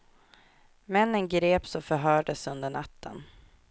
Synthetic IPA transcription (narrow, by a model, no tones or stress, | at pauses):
mɛnːənɡɾeːpsɔfœɾɦœːɖəsɵnd̪əɳat̪ʰːə̰n